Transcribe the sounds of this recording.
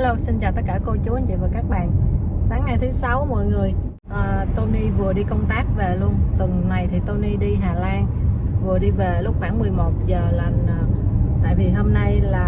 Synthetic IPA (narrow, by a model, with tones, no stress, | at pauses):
lo˧wsi˧nt͡ɕaː˨˩t̪ə˦˥kaː˧˩ko˧t͡ɕu˨˦ə˧˨˦nt͡ɕḭ˧˨vaː˨˩kaː˦˥k̚ɓa̰ː˧˨nsaː˨˦ŋːna˧jt̪ʰɨ˨˦sa˨˦wmo̰˧˨jŋɨ˨˩əj | ʔəː˨˩t̪o˧ni˧vɨ˨˩əɗi˧kə˧wŋ͡mt̪aː˦˥k̚ve˨˩lu˧ənt̪ɨ˨˩ŋna˨˩jt̪ʰi˨˩t̪o˧ni˧ɗi˧ɦaː˨˩laː˧n | vɨ˨˩əɗi˧ve˨˩lʊ˦˥k͡p̚xwaː˧˩ŋmɨ˨˩əjmo˨˩t̚zəː˨˩la˨˩jŋ̟ː˨˩t̪a̰ː˧˨jvi˨˩ɦo˧mna˧jlaː˨˩